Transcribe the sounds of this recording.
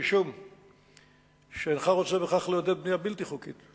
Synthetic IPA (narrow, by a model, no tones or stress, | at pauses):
iʃum | ʃeenχaʁot͡sebeχaχlejod̪ed̪̚bniabilt̪iχukit̪